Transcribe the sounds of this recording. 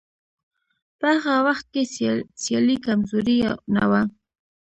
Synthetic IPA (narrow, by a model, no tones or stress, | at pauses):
pəhaɣawaχt̪̚kesjalikamzʊɾina̰wa